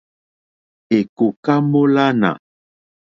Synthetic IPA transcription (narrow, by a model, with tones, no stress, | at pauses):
e˨ko˨ka˦mo˦la˦na̰˨